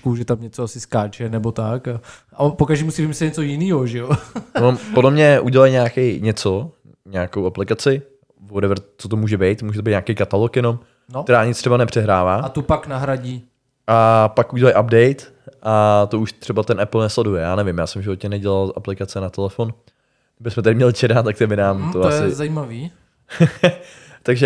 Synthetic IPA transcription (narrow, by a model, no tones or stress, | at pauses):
kuʒɛt̪amɲɛt͡soasɪskaːt͡ʃɛnɛbot̪aka | apokaʒdiːmusivimisɛɲɛt͡sojɪniːɦoʒɛjopoɛmodlɛmɲɛʔuɟɛlajɲaːkɛjɲɛt͡so | ɲaakowaplɪkat͡sɪ | vodɛvɾt͡sot̪̬omuːʒɛbɛjt̪muːʒɛt̪obijt̪ɲaːkejkat̪alokjɛno̞m | not̪ɛɾaːɲɪtt͡st̪rɛbanɛpr̝̥ɛɦɾaːvaːat̪upaknaɦɾaɟiː | ʔapakʔuɟɛlajʔabdɛjt̪ | ʔat̪ouʃt̪r̥ɛbat̪ɛnʔɛpl̩ˠnɛslɛdujɛjaːnɛvɪmjaːsɛmvʒɪvot̪ɲɛnɛɟɛlalʔa̰plɪkat͡sɛnat̪ɛlɛfon | ɪbɪsmɛt̪adɪmɲɛlɪt͡ʃɛdat̪akt̪ɛbɪnaːmt̪oasɪzaimaviː | t̪aɡʒɛ